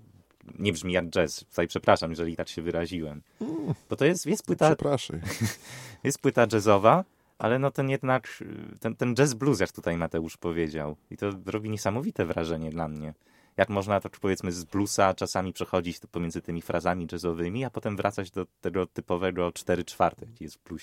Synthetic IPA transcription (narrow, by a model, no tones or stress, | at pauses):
ɲɛbʐmʲijaɡ̚d͡ʐɛst̪u̥t̪ajpʂɛpɾaʂamjɛʐɛlʲit̪akɕɛvɘɾaʑiwɛm | b̥ɔt̪ɔjɛst̪jɛst̪pwɘt̪apɾaʂa | jɛst̪pwɘt̪ad͡ʐɛzɔva | ʔa̰lɛnɔt̪ɛnjɛd̪nakt̪ɛnt̪ɛnd͡ʐɛzblus̬jakt̪ut̪ajmat̪ɛuʂpɔvʲjed͡ʑawit̪ɔzɾɔbʲiɲɛsamɔvʲit̪ɛvɾaʐɛɲɛd̪lamɲɛ | jakmɔʐnat̪akpɔvʲjɛt̪smɘzblusat͡ʂasamʲipʂɛxɔd͡ʑit͡ɕpɔmʲjɛnzɘt̪ɘmʲifɾʔazamʲid͡ʐɛzɔvɘmʲiapɔt̪ɛmvɾat̪sad͡ʑd̪ɔt̪ɛɡɔt̪ɘpɔvɛɡɔt͡ʂt̪ɛɾɘt͡ʂfaɾt̪ɛjakʲijɛst̪bluɕɛ